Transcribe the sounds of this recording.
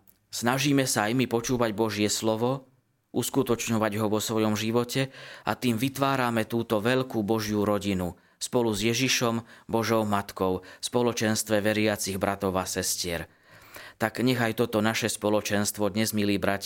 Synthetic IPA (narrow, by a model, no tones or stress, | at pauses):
snaʒiːmɛsaajmipɔt͡ʃuːʋaɟbɔʒɪɛslɔʋɔ | ʔuskut̪ɔt͡ʃɲɔʋaɟɦɔʋɔsʋɔjɔmʒiʋɔcɛa̰t̪iːmʋit̪ʋaːɾamɛt̪uːt̪ɔʋɛʎkuːbɔʒjuɾɔɟinu | spɔluzjɛʒiʃɔmbɔʒɔʊmat̪kɔʊspɔlɔt͡ʃɛnst̪ʋɛʋɛɾɪat͡siɣbɾʔat̪ɔʊasɛscɪɛɾ | t̪aɡɲɛɣajt̪ɔt̪ɔnaʃɛspɔlɔt͡ʃɛnst̪ʋɔd̪ɲɛzmiliːbɾac